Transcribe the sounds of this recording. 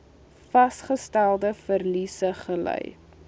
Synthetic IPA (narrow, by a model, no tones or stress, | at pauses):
fɐsχəstælˠdəfərlisəχəlœ̰j